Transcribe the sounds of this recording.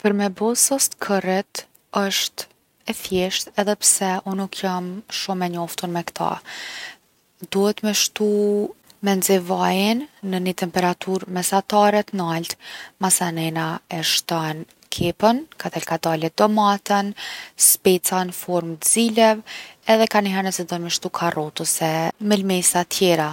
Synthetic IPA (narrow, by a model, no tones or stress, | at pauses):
pəɾmɛbɔsɔst̪kʰərɛt̪ | əʃt̪ | ɛfjɛʃt̪ɛðɛpsɛunukʰjamʃumɛɲɔft̪uɾmɛkt̪ʰa̰ | d̪uhɛt̪mɛʃt̪umɛnzɛvajənːənət̪ɛmpɛɾat̪ʰuɾmɛsat̪aɾɛt̪nalt̪masanɛnaɛʃt̪an | kʰɛpənkat̪ɛlkad̪alɛd̪ɔmat̪ənspɛt͡sanfɔɾmt̪zilɛvɛðɛkaniɦɛɾnəsɛd̪ɔnmɛʃt̪ukʰarɔt̪usɛmɛlmɛsat̪ʰjɛɾa